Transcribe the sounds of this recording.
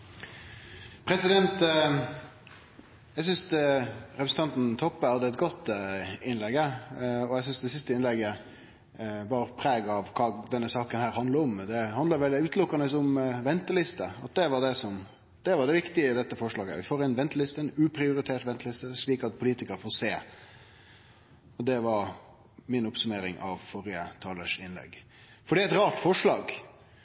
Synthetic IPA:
pʰɾɛsɪd̪ɛnt̪ | ɛɡs̬ʏns | ɾɛpɾsn̩t̪ʰɑnt̪n̩t̪ʰɔpːəɑd̪əɛt̪ɡɔt̪ːɪnlɛɡːəɔɛsʏnsd̪ɛsɪst̪əɪnlɛɡə | bɑːɾəpʰɾeːɡəɑʋkʰɑːd̪ɛnːəsɑːkənhæːɾhɑnd̪ləɾɔmd̪ɛhɑnd̪əɾʋɛld̪ɪʉːt̪lʊkːənəsɔmʋɛnt̪əlɪst̪əɑt̪̚d̪ɛʋɑɖɛsɔm | d̪̥ɛʋɑɖ̪ɛʋɪkt̪ɪəd̪ɛt̪ːəfɔʂɭɑːɡəə̰ʋɪfoːɾɛnʋɛnt̪əlɪst̪ənʉːpʰɾɪʊɾɪt̪ʰeːʈʋɛnt̪əlɪst̪əʂɭiːkɑt̪̚pʰʊliːt̪ɪkəɾfoːɾseː | ɔd̪ɛʋɑɾ | mɪnʊpsʉmeːɾɪŋʔɑ̰ʋfɔɾɪət̪ʰɑːləʂɪnlɛ̰ɡ | fɔɾɖiːæɪt̪ɾɑːʈfɔʂlɑːɡ

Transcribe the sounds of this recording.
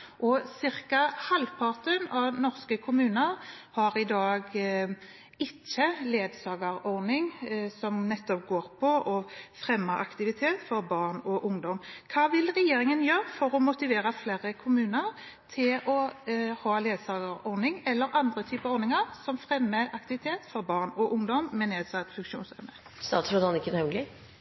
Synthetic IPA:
ʔɔsɪɾkɑhɑlpʰɑʁt̪ənɑʋnɔʁskəkʰʊmʉːnəʁhɑɾɪd̪ɑːɡ | ɪt͡ʃːəleːd̪sɑːɡəɾɔʁnɪŋsɔmnɛt̪ːɔp̚ɡoːɾpʰɔʔɔfɾɛmːəʔɑ̰kt̪ɪʋɪt̪ʰeːt̪fɔɾbɑʁnɔʔʊŋd̪ɔmkʰɑːʋɪlʁɛjeːɾɪŋənjøːʁfɔɾɔmʊt̪ɪʋeːɾəfleːɾəkʰʊmʉːnəʁ | t̪ʰɪlɔhɑːleːd̪sɑːɡəɾɔʁnɪŋɛlːəɾʔɑnd̪ʁət̪ʰyːpəɔʁnɪŋəʁsɔmfʁɛmːəʔɑk̚t̪ɪʋɪt̪ʰeːt̪fɔɾbɑːʁnɔʔʊŋd̪ɔmːɛneːd̪sɑt̪fʉŋkʃuːnsœ̰ʋnə | st̪ɑːt̪sɾɔd̪ɑnɪkːənhɛɡlɪ

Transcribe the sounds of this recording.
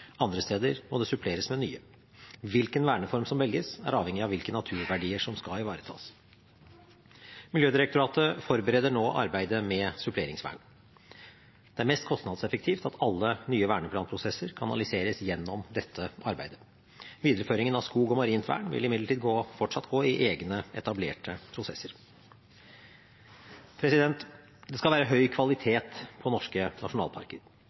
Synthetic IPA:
ɑnd̪ɾəst̪eːd̪əɾmɔd̪ɛsʉpʰleːɾəsmɛny̰ːə | ʋɪlkənʋæːɳəfɔɾmsɔmʋɛlɡəsæ̰ɾɑːʋɛŋːɪɑʋɪlkənɑt̪ʰʉːɾʋæɖiːəʂɔmskɑɪʋɑːɾət̪ʰɑ̰ːs | mɪljøːd̪ɪɾəkt̪ʊɾɑːt̪əfɔɾbəɾɛːd̪əɳoːʔɑ̰ɾbæɪd̪əmɛsʉpʰleːɾɪŋsʋæ̰ːɳ | d̪̥ɛæɾmɛst̪̚kʰɔst̪nɑd̪sɛfəkt̪ʰiːft̪ɑt̪ʰɑlːənyːəʋæːɳəpʰlɑːnpʰɾʊsɛsəɾkʰɑnɑlɪseːɾəsjɛnːɔmd̪ɛt̪ʰːəʔɑɾbæ̰ɪd̪ə | ʋiːd̪əɾəføːɾɪŋənɑʋskuːɡɔmɑɾiːnt̪ʋæ̰ːɳʋɪ̰lɪmɪd̪ləʈʰiːd̪ɡoːfɔʈʂɑt̪ːɡoːɪʔeːɡnəɛt̪ɑblḛːʈəpʰɾʊsɛsːəɾ | pʰɾɛsɪd̪ɛnt̪ | d̪ɛskɑlʋæːɾəɦœʏkʰʋɑlɪt̪ʰeːt̪pʰɔnɔʂkənɑʂʊnɑ̰ːlˠpʰɑ̰ɾkəɾ

